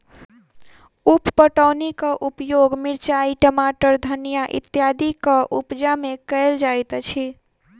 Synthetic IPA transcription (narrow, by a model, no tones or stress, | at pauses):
uppəʈəʊnikəʔupjoɡmiɾt͡ʃaiʈəmaʈəɾd̪ʱənijaʔḭt̪jad̪ikəʔupd͡ʒamekəɪld͡ʒajt̪t͡ʃʰi